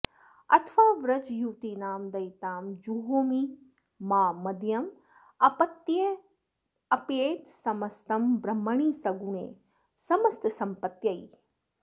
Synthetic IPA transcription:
ɐ̰t̪ʰʋaːʋɾɐt͡ʃjuːt̪inaːmd̪ɐjt̪aːmd͡ʒuɦoːmi | maːmɐd̪jɐm | ɐpɐt̪je | ɐpeːt̪sɐmɐst̪ɐmbɾɐmːɐɳ̃iːsɐɡunḛː | sɐmɐst̪sɐmpɐt̪jɐi

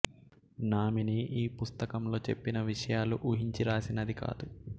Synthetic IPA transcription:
naːminiʔiːpust̪ɐkɐmlo̞ːt͡ʃe̞pːinɐʋiʂɐjaːluʔuɦiɲt͡ʃiɾaːsinɐd̪ika̰ːd̪u

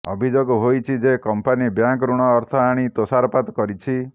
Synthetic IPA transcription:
ɔ̰bʱid͡ʒoɡɦojt͡ʃʰid͡ʒekɔmpanibjaŋkɾuɽ̃ɔːɾt̪ʰɔaɽ̃it̪osaɾɔpat̪kɔɾit͡ʃʰi

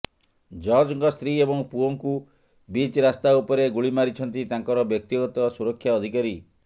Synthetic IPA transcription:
d͡ʒɔɾd͡ʒɔŋɡɔst̪ɾiebɔŋpuoŋku | bit͡ʃɾast̪aupɔɾeɡuɭimaɾit͡ʃʰɔnt̪it̪aŋkɔɾɔbjɔk̚t̪iɡɔt̪ɔsuɾɔkʰːjaɔd̪ʱikaɾi

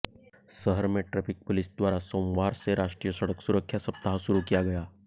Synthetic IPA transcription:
səɦəɾmẽʈɾepɪk̚polɪsd̪waːɾasoːmʋaːɾseɾaːʂʈɾijəsəɽəksuɾəkʰːjasəp̚t̪aɦasuɾukijaɡɐjaː

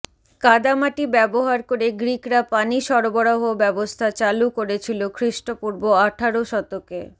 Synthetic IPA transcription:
kad̪amaʈibɛboɦaɾkoɾeɡɾikɾapaniʃɔɾoboɽaɦobɛbost̪ʰat͡ɕalukoɾet͡ɕʰilokʰɾiʃʈopuɾboaʈʰaɾoʃɔt̪oke

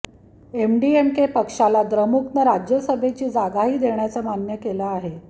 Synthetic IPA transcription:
emɖiemkepəkʂalad̪ɾəmuknəɾad͡ʑjəsəbʱet͡ɕiːd͡zaɡaɦiːd̪eɳjat͡səmanjəkelaaɦe

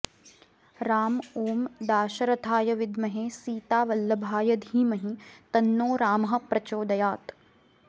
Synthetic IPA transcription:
ɾaːmoːmd̪aːʃɐɾɐt̪ʰaːjɐʋɪd̪mɐɦeːsiːt̪aːʋɐlːɐbʱaːjɐd̪ʱiːmɐɦit̪ɐnːoːɾaːmɐɦɐ̆pɾɐt͡ʃoːd̪ɐjaːt̪

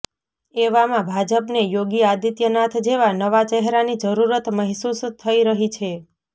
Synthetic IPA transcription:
eʋamãbʱad͡ʒəpnejoɡiad̪it̪jənat̪ʰd͡ʒeʋanəʋat͡ʃɛɦɾanid͡ʒəɾuɾət̪məɦsust̪ʰəiɾəɦit͡ʃʰe

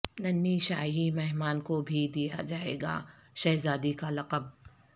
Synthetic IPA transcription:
nɐnːiʃaːɦimɛɦmaːnkobʱid̪ija̰d͡ʒaːḛːɡa̰ːʃɐɦzaːd̪ikalɐqəb̚

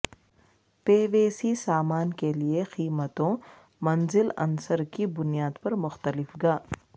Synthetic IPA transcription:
peːʋeːsisaːmaːnkeliexiːmət̪õ | mɐ̃nzɪlɐ̰nsəɾkibʊnijaːd̪pɐɾmʊxt̪əlɪfɡaː

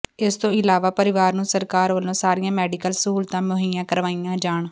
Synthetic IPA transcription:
ɪst̪õːɪlaːʋaːpəɾɪʋaːɾnũːsəɾkaːɾʋəlõːsaːɾijãːmɛːɖɪkəlsəɦuːlt̪ãːmʊɦiːãːkəɾʋaːijãːd͡ʒaːɳ

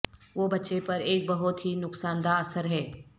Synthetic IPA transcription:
ʋoːbɐtːʃepɐɾeːk̚bɐɦʊt̪ɦinʊksaːnd̪aɐsəɾɦɛː

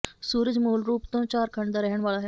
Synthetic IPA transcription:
suːɾəd͡ʑmulɾuːpt̪õnt͡ɕaɾkʰəɳd̪əɾəɦəɳʋaɭaɦ

